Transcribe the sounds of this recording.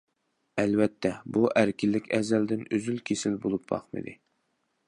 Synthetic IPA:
ælvɛt̪ʰːɛbuʔæɾkʲilːɪkʲɛzɛld̪ɪnøzylkʲʰesɪlbolˠup̚bɑ̰χmɨ̰d̪ɨ

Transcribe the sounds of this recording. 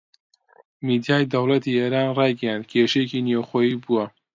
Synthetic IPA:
mid̪jaːjd̪ɐwlɐt̪iːeːɾaːnrɑːjɡɐjand̪̚kʰeʃejekiːnjewxoːjiːbuwɐ

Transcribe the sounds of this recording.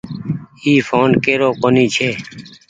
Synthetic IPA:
iːfʰoːnkeːɾoːkoniːt͡ʃʰeː

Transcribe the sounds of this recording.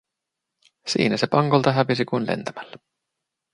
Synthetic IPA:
sḭːnæse̞pɑŋkolt̪ɑɦæʋisikunlḛnt̪æmælːæ

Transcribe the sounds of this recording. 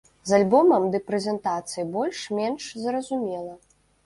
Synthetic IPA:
zalʲbɔmɐmd̪ɨpɾɛzʲɛnt̪at̪sɨjibɔlʲʂmʲɛnʂzrɐzumʲɛlˠɐ

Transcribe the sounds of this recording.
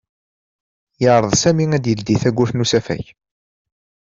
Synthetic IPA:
jəʕɾˤəðˤsæmiŋæd̪jəld̪iθæɡʷːuθnusæfæ̰ç

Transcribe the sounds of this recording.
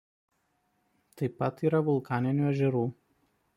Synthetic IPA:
t̪ɐɪpːɐt̪iːɾɐʋʊlˠˑkɑːnʲɪnʲuːɛʒʲɛɾuː

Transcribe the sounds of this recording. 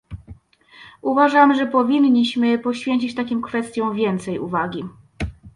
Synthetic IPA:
uvaʐamʐɛpɔvʲinːiɕmɘpɔɕfʲjeɲt͡ɕit͡ɕt̪akʲimkfɛst̪ʲjɔ̃w̃vʲjɛnt̪sɛjṵvaɡʲi

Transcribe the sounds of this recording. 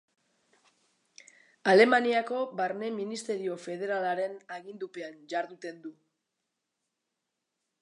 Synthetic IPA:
ale̞maniako̞baɾne̞minist̪e̞ɾio̞fe̞ð̞e̞ɾalaɾe̞naɣind̪upe̞and͡ʒaɾðut̪e̞nd̪u

